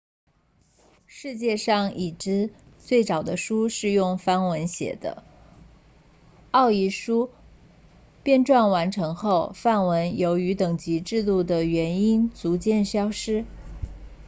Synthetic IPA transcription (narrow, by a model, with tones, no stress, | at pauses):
ʂɻ̩˥˧t͡ɕjɛ˥˧ʂɑ˥˩ŋi˨˩ʈ͡ʂɻ̩˥ | t͡swe˥˩ɪt͡sɑ˨˩ʊd̪ə˦ʂu˥ʂɻ̩˥˧jʊ˥˩ŋfa˥nwə˧˥nɕjɛ̰˨˩d̪ə̰˦ | ɑ˥˩ʊi˧˥˩ʂu˥ | pjɛ˥˧nʈ͡ʂwa˥˩nwa˧˥nʈ͡ʂʰɤ˧˥ŋxo˥˧ʊfa˥˩nwə˧˥njo˧˥ʊy˧˥t̪ɤ˨˩ŋt͡ɕi˧˥ʈ͡ʂɻ̩˥˧t̪u˥˩d̪ə˩ɥɛ˧˥ni˥nt͡su˧˥t͡ɕjɛ˥˩nɕjɑ˥ʊʂɻ̩˥